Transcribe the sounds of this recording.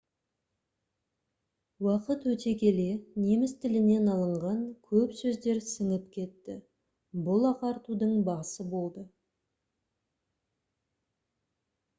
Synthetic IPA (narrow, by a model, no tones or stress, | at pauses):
wɑqət̪wɵt̪e̞kʲe̞le̞ne̞mɪst̪ʰɪlɪne̞nɑlˠəɴʁɑŋkʲʰɵpsɵzd̪e̞ɾsəɴəpkʲʰe̞t̪ːɪ | bʊlˠɑqɑɾt̪ud̪əɴbɑsəbo̞lˠd̪ə